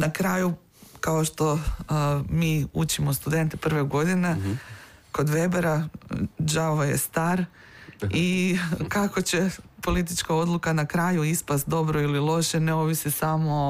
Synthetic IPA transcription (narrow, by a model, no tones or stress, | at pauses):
nakɾaːju | kao̞ʃt̪o̞ | miːut͡ɕimost̪ud̪e̞nt̪epr̩ʋeɡo̞d̪ine | ko̞d̪ʋe̞beɾa | ʒaoʋajḛst̪aːɾ | ikako̞t͡ɕe̞po̞lit̪̬it͡ʃkao̞d̪lukanakɾaːjuispast̪̚d̪o̞bɾo̞ililˠo̞ʃeneo̞ʋisisamo̞